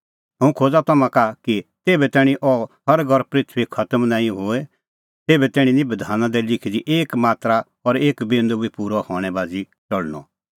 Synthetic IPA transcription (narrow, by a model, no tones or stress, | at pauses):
ɦɐ̃ũkʰoːd͡zat̪ɐmãkakit̪eːbɛt̪ɛːɽ̃ĩʔɔɦɐɾɡʱɔɾpɾɪt̪ʰʋikʰɐt̪əmnãːĩɦoːɛ | t̪eːbɛt̪ɛːɽ̃ĩnĩbɐd̪ʱaːnãd̪ɛlɪkʰid̪iʔeːkmaːt̪ɾa | ɔɾeːkbẽːnd̪obipuːɾɔhɔːɽ̃ɛbaːd͡zi | t͡ʃɐɭnɔ̰